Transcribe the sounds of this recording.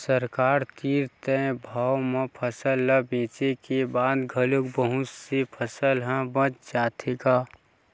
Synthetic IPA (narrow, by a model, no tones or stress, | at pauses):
səɾkaːɾt̪iːɾt̪ẽbʱaːwmẽpʰəsəlːəbẽːt͡ʃekebaːd̪ɡʱəlʊkbəɦʊt͡ʃsepʰəsəlɦə̃bə̃t͡ʃd͡ʒaːt̪ʰeɡaː